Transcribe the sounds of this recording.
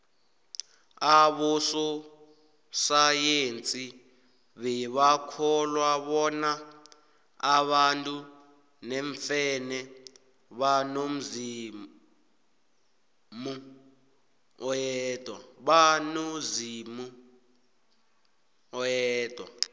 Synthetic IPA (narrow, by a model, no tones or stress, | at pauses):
aβɔsɔ | sajent͡sʼi | βɛβakʰɔlwaβɔna | aβantʼu | nɛɱfɛnɛ | βanom̩zi | mu | ɔjɛtʼwa̰ɓanozimu | ɔjɛːd̥ʱʼwa̰